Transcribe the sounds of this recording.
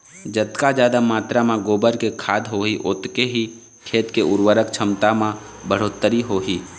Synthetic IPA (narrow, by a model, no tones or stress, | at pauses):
d͡ʒət̪kad͡ʒaːd̪amaːt̪ɾamãɡoːbəɾkekʰaːd̪ɦoːɦiʔoːt̪keɦi | kʰeːt̪keʊɾwəɾəkt͡ʃʰəmt̪amã | bəɽ̤oːt̪ːəɾiɦoːɦiː